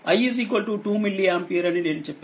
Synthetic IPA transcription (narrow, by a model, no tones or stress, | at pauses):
ɐjiːsiːkʋɐlʈuʈuːmilːiaːmpiːɾɐnine̞ːnut͡ʃɛpː